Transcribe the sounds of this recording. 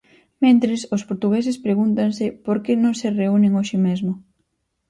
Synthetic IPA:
mẽnt̪ɾɪsʊspoɾt̪uɣes̬ɪspɾeɣunt̪ansɪpoɾkenõŋsɪreunɪŋoʃɪmezmʊ

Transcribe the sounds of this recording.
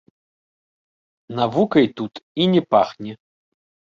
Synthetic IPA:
navukɐjt̪ut̪inʲɛpaxnʲɛ

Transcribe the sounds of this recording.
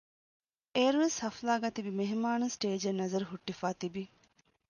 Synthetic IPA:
eːɾueshɐflaːɡaːt̪ibimeɦmaːnusʈeːd͡ʒɐnɐzɐɾɦuʈːifaːt̪ibi

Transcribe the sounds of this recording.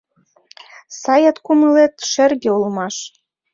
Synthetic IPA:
sɑjɑt̪kuməlet̪ʃĕrɣeulmɑʃ

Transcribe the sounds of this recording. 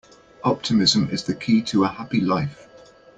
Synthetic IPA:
ɒp̚tʰɪmɪzə̃mɪ̰zðəkʰiːtʰəəhapilaɪf

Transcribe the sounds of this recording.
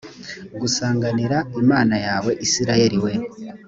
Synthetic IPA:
ɡusaːŋɡaniɾaimaːnajaːwe̞ʔisiɾaje̞ɾiwe̞

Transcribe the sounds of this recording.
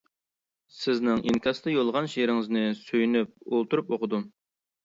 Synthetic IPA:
sɪznɪŋʔḭŋkʲɑsd̪ɨjolˠʁɑnʃeɾɪŋɪznɨsøjynyp̚olˠt̪uɾupoqəd̪u

